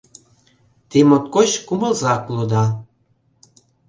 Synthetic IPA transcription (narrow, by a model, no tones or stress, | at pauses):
t̪emot̪̚kot͡ɕkuməlzɑklod̪ɑ